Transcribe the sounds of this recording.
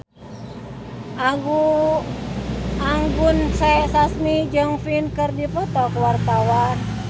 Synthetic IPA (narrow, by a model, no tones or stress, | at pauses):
ʔaɡu | ʔaŋɡunsɛsasmid͡ʒɨŋfinkərdipɔt̪ɔkuwart̪awan